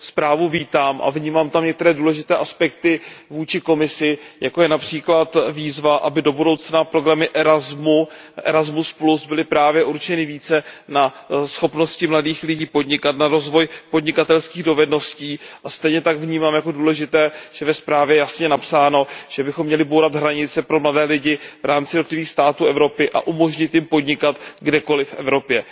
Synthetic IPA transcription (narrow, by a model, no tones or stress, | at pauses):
spɾaːvuviːt̪aːmʔa̰vɲiːmaːmt̪amɲɛk̚t̪ɛɾɛːduːlɛʒɪt̪ɛːʔaspɛkt̪ɪvuːt͡ʃɪko̞mɪsɪjako̞jɛnapr̝̥iːklat̪viːzvaʔabɪdo̞budo̞wt͡snapɾo̞ɡɾamɪʔɛɾazmu | ʔɛ̰ɾazmusplusbɪlɪpɾaːvjɛʔuɾt͡ʃɛnɪviːt͡sɛnasxo̞pno̞scɪmladiːxlɪɟiːpo̞dɲɪkat̪naɾo̞zvo̞jpo̞dɲɪkat̪ɛlskiːɣdo̞vɛdno̞sciːʔʔast̪ɛjɲɛt̪aɡvɲiːmaːmjako̞duːlɛʒɪt̪ɛːʒ̥ɛvɛspɾaːvjɛjɛjasɲɛnapsaːno̞ʒ̥ɛbɪxo̞mːɲɛlɪbowɾat̪ɦɾaɲɪt͡sɛpɾo̞mladɛːlɪɟɪvɾʔaːmt͡sɪdot̪lɪviːxst̪aːt̪uːɛvɾo̞pɪʔa̰ʔumo̞ʒɲɪt̪jɪmpo̞dɲɪkat̪ɡdɛko̞lɪfʔɛ̰vɾo̞pjɛ